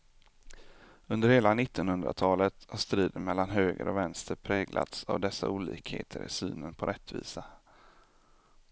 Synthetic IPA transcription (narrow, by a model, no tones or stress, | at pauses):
ɵnd̪əɾheːlanɪt̪ːɔnhɵnd̪ɾa̰t̪ʰɑːlət̪haʂt̪ɾiːd̪ənmɛlːanɦøːɡəɾɔvɛnst̪əɾpʰɾɛːɡlʔa̰t̪savd̪ɛsːauːlḭːkhḛːt̪ʰəɾɪ̰sy̰ːnənpʰɔɾʔɛt̪ːvḭːsa